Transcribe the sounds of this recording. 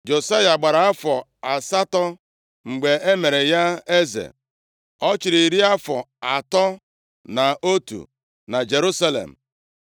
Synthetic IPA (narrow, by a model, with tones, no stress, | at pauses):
d͡ʒo˨sa˦ja˨ɡ͡ba˨ɾa˨a˦fɔ˨a˨sa˦tɔ˦ | ŋ͡m̩˨ɡ͡be˨ʔe˦me˨ɾe˨ja˦e˦zḛ˨ | ɔ˦t͡ʃɪ˨ɾi˨ɾi˦a˦fɔ˨a˨tɔ˦ | na˨o˦tṵ˨ | na˨d͡ʒe˨ɾu˦sa˦lḛ˨m̩˨